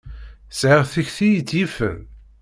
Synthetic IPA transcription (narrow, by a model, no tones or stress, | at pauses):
sʕɪʁθiçθijit͡sːjifə̰l